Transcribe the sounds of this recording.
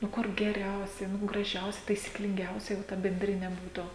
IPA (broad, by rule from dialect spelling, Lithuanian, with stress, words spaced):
nʊ ˈkʊr ɡʲɛˈrʲɛʊsʲɛɪ nʊ ɡrɐˈʒʲɛʊsʲɛ tɐɪsʲiːklʲɪŋʲˈɡʲɛʊsʲɛɪ ʋɐ tɐ bʲɛnʲˈdʲrʲɪnʲɛ ˈbuːtʊ